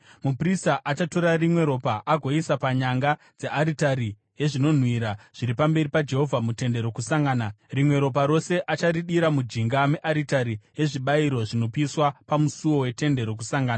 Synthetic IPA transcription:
mupristaʔat͡ʃato̞ɾarimwe̞ɾo̞paʔaɡʱo̞isapaɲaŋɡa | d͡ze̞ʔaɾitaɾi | je̞ʐino̞n̤wiɾaʐ̥iɾipambe̞ripad͡ʒe̞ɦo̞vʱamute̞nde̞ɾo̞kusaŋɡaːnarimwe̞ɾo̞p̬aɾo̞se̞ʔat͡ʃaɾiɗiɾamud͡ʒiŋɡameʔaɾitaɾije̞ʐiɓaiɾo̞ʐino̞piiswapamusuwo̞we̞te̞nde̞ɾo̞k̬usaŋɡaːnaa

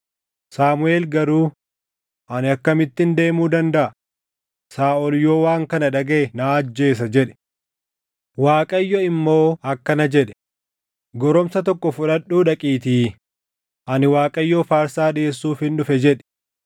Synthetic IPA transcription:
saːmʊe̞ːlɡɐɾuː | ʔɐnɪɐkːɐmɪt̪ːɪnd̪e̞ːmuːd̪ɐnd̪ɐʔɐ | saːʔɔljoːwaːŋkɐnɐᶑɐɡɐnaːɐd͡ʒːe̞ːs̬ɐd͡ʒɛᶑɛ̥ | waːkʼɐjːɔɪmːo̞ːɐkːɐnɐd͡ʒɛᶑɛ̥ | ɡɔɾɔmsɐt̪ɔkːɔfʊᶑɐᶑːuːᶑɐkʼiːt̪iː | ʔɐnɪwaːkʼɐjːofaːɾsaːᶑeːsːuːfhɪnɗʊfɛd͡ʒɛᶑɛ̥

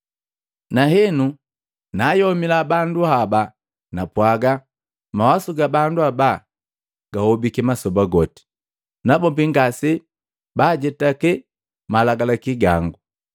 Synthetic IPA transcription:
naɦɛnu | najɔmilabanduaba | napwaɡa | mawasuɡabanduaba | ɡ̥ahɔbikɛmasɔbaɡɔti̥ | nabɔbiŋɡasi | baɟɛtakɛ | malaɡalakiɡaŋɡu

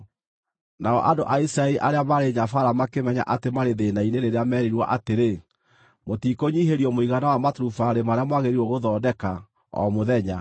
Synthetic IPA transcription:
naɔ̰ʔandoʔaisɾaɛiʔaɾeamaɾeɲafaɾamakemɛɲa̰ʔatemaɾeðeːnaineɾeɾeamɛɾiɾwa̰ʔateɾe | motikoɲiɦeɾiɔmoiɣanawamatɾufaɾemaɾeamwaɣeɾiɾwɔɣoðɔːdɛka | ɔ̰moðɛɲa

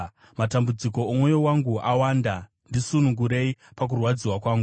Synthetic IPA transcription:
matambud͡ziko̞ːmwo̞jowaŋɡuʔawaːnda | ndisunuŋɡuɾe̞ipak̬urwad͡ziwakwaːŋɡu

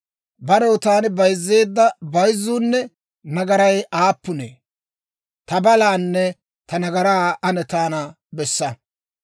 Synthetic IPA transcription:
bɐɾɔwt̪aːnɪbɐjzːe̞ːd̪ːɐbɐjzːuːnːɛ | nɐɡɐɾɐjʔaːpːʊnḛː | t̪ɐbɐlaːnːɛ | t̪ɐnɐɡɐɾaːɐnɛt̪aːnɐ | bɛsːɐ

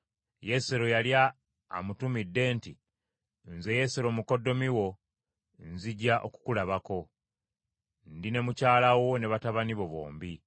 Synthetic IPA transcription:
je̞seɾo̞jalja̰ː | mutumidːe̞ːnti | nze̞je̞seɾo̞muko̞do̞miwo̞ | nziɟaʔo̰ku̥kulaβako̞ | ndine̞mucaːlawo̞ne̞βataβaniβo̞βo̞̰ːmbi

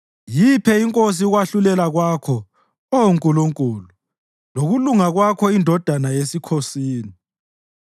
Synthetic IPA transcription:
jipʰɛiŋkʼos̬iɣwaɬulɛlaɣwakʰɔ | ouŋkʼuluŋkʼuːlu | loɣuluŋaɣwakʰɔindʱɔd̥ʱanajesikʰosiːni

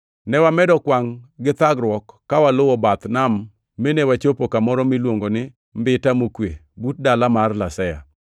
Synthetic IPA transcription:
nɛwamɛdɔkwaŋɡɪt̪aɡɾwɔkːawalʊwɔbat̪namː | enewat͡ʃopokamɔɾɔmɪlwoŋɡonɪ | mbɪtamokwe | but̚dalamarlasɛja̰

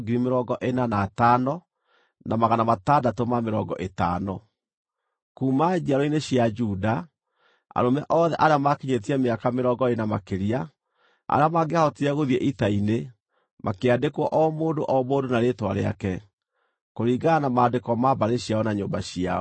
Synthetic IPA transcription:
ɡiɾimeɾɔːɡɔʔenanaːtanɔ | namaɣanamatadatomameɾɔ̰ɡɔ̰ʔeta̰nɔ | kuːmad͡ʒiaɾɔineɕiad͡ʒuda | a̰ɾomɛʔɔðɛʔaɾeamakiɲet̬iɛmeakameɾɔɡɔenamakeɾia | a̰ɾeamaɡeahɔtiɛɣoðiɛʔitaine | mʔakeadekwɔʔɔmoːdoʔɔmoːdonaɾetwaɾḛa̰kɛ | koɾiːɡanamaːdekɔmabaɾeɕiaɔnaɲoːmbaɕia̰

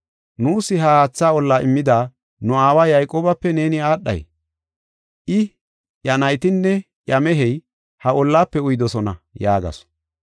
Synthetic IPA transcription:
nuːsɪɦɐhaːt͡sːaːɔlːaːʔɪmːɪd̪aː | nʊaːwaːjɐjkʼoːbɐpːɛne̞ːnɪaːɗːɐ̰j | ʔɪ | jɐnɐjt̪ɪnːɛ | ʔjɐmɛɦɛj | hɐʔɔlːaːpːɛʊjd̪ɔsɔnɐ̰jaːɡɐ̰s

